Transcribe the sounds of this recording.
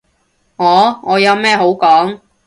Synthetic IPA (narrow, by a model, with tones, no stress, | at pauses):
ŋɔː˨˧ŋɔː˨˧jɐ˨˧wmɛː˥˩ɦo˨˥wkɔː˨˥ŋ